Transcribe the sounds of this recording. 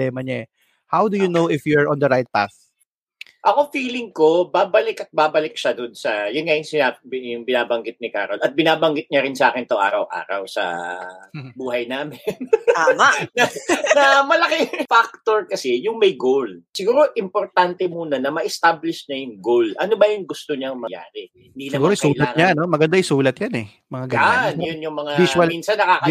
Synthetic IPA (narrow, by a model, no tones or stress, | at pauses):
ɛːmɐɲaʔɛ | hawd̪ujʊnowʔɪfjuɹʔɔ̃nd̪ɐɾajt̪̚pa̰θ | ʔɐko̞fiːlɪŋko̞baːbɐlɪkɐt̪̚baːbɐlɪk̚ʃɐd̪onsɐjʊnŋɐjʊnsɪajʊŋbɪnaːbɐŋɡɪt̪̚nɪka̰ːɾolɐt̪̚bɪnaːbɐŋɡɪt̪̚ɲɐɾɪnsaːkɪnt̪oŋʔa̰ːɾɐwʔa̰ːɾɐ̰wsɐ̰ | buːɦɐjnaːmɪnamɐnɐnɐmɐlɐkɪfak̚t̪o̞ɹkɐsɛjʊŋmɐjɡolsɪɡuːɾo̞ʔɪmpo̞ɾt̪ant̪ɛmuːnɐnɐmɐʔɛst̪ablɪʃnɐjʊŋɡolʔɐnobɐjʊŋɡʊst̪oɲɐŋmɐja̰ːɾɪhhɪnd̪iːnɐɡuːɾjskulɐaːŋɲanomɐɡɐnd̪ajsuːlɐt̪̚janɛ | mɐŋaɡɐnjʊnjʊŋmɐŋaiswɐlmiːnsɐnːɐkaːkɐ